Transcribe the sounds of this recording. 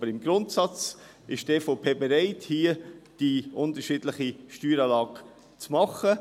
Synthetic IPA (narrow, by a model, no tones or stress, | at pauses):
bəɾɪmɡɾʊntsɑt͡s | ɪʃd̥ɛːfopʰeːbɛɾɛɪthiːəd̥iʔʊntəɾʃiːdlɪχiʃtyːɾɑːlɑːɡ̥ | t͡smɑχə